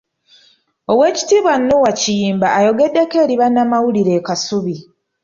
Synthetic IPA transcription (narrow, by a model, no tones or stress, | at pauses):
o̞βwe̞ːci̥tiːβwanːuwacijiːmbaːjo̞ɡe̞dːe̞keːɾiβanːamawuliɾe̞ːkasuβi